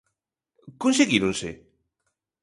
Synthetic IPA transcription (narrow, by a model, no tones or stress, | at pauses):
kõnseɣiɾõnsḛ